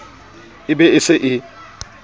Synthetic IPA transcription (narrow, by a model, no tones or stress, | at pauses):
ɪbɛɪsɪʔɪ